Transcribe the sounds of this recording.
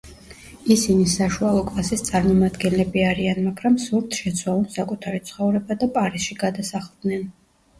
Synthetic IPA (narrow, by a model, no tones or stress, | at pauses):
isinisaʃualˠɔkʼlˠasist̪sʼaɾmɔmad̪ɡɛnlɛbiaɾianmaɡɾamsuɾt̪ʰʃɛt̪sʰwalˠɔnsakʼut̪ʰaɾit̪sʰχɔvɾɛbad̪apʼaɾisʃiɡad̪asaχlˠd̪nɛn